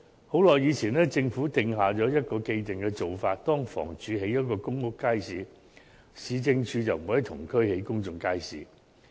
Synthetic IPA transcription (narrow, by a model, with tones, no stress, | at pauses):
ho˨˥wlɔː˨jːiː˨˧t͡sʰiː˨˩nɛː˥t͡sɪ˧ŋfuː˨˥t̪ɪ˧ŋɦaː˨˧t͡sɔː˨˥jɐ˥t̚kɔː˧ke˧jt̪ɪ˨ŋkɛː˧t͡so˨wfaː˧t̚t̪ɔː˥ŋfɔ̰ː˨˩ŋt͡ʃyː˨˧ɦe˨˥jːɐ˥t̚kɔː˧kʊ˥ŋkʊ˥kːaː˥jsiː˨˧ | siː˨˧t͡sɪ˧ŋt͡ʃʰyː˧t͡sɐ˨wmu˨˥hɐ˨˥jt̪ʰʊ˨˩ŋkʰɵ˥ɥhe˨˥jkʊ˥ŋt͡sʊ˨ŋkaː˥jsḭː˨